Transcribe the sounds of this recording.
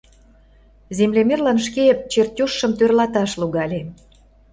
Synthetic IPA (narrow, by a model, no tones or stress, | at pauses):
zemlemerlɑnʃ̬ket͡ɕertʲuʃːə̆mt̪ørlɑt̪ɑʃluɣɑlʲe